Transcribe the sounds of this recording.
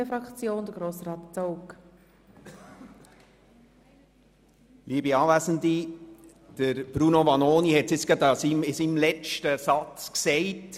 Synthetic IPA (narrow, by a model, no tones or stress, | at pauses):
efɾɑkt͡sjoːnd̥̪əɡ̥ɾoːsɾɑːtt͡sowk | liːəbiɑːʋæsən̩di | d̥əɾb̥ɾunoʋɑnoːniɦɛtsɪt͡skɑd̪ɑsimɪsimlɛt͡ʃtəsɑt͡sksɛɪt